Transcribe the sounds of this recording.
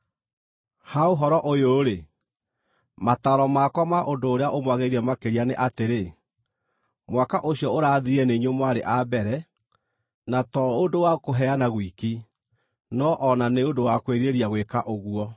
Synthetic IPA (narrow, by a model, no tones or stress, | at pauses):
haoɦɔɾɔʔojoɾe | mataɾɔmakwɔmaʔondoːɾeaʔomwaɣeiɾiɛmakeɾianeʔateɾe | mwakaʔoɕiɔoɾaðiɾiɛneɲomwaɾeʔabɛɾɛ | natɔondowakoɦɛanaɣwiki | nɔʔɔnaneondowakweɾieɾijaɣwekaʔoɣwɔ